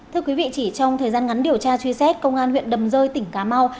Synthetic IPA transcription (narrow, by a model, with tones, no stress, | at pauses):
ɨ˧əkwi˨˦vḭ˧˨t͡ɕi˧˩t͡ɕɔ˧wŋ͡mt̪ʰəː˨˩jzaː˧nŋa˨˦nɗi˨˩əwt͡ɕaː˧t͡ɕwi˧sɛ˦˥t̚kə˧wŋ͡mʔaː˧nhwḭ˧˨nɗə˨˩mzəː˧jt̪ï˧˩ŋ̟kaː˨˦ma˧w